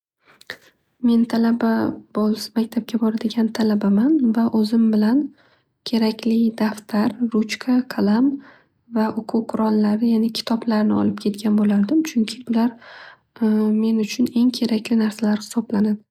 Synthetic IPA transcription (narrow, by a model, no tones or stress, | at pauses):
me̞nt̪ʰalababɒsmakʲt̪ʰap̚kʲʰabɒɾad̪ɪɡʲant̪ʰalabamanvaʔɵzɪmbɪlan | kʲʰe̞ɾakʲʰlɪd̪aft̪ʰaɾːʊt͡ʃkʰakʰalˠam | vaʔʊqʰʊqʰʊɾɒnlaɾɪjanɪkʲʰɪ̥t̪ʰɒblaɾnɪɒ̰lɪp̚kʲʰe̞t̪kʲʰanbolaɾd̪ɪmt͡ʃʰʊŋkʲʰɪbʊlaɾ | me̞nʊt͡ʃʰʊne̞ŋkʲʰe̞ɾakʲlɪnaɾsalaɾhɪ̥sɒblanad̪ɪ